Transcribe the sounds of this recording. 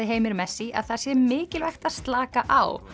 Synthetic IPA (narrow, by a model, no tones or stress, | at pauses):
ɪɦeːjmɪɾmɛsːia̰ðθaɾ̥sjɛmɪːcɪlvɛxt̪aðst̪laːkaʔa̰w